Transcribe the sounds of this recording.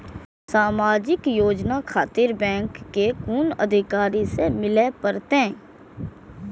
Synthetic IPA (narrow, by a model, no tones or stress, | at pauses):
saːmaːd͡ʒɪkjoːd͡ʒnakʰaːt̪iɾbɛ̃ːŋkːekuːnə̰d̪ʱɪkaːɾisemɪlepəɾt̪eɛ̃ː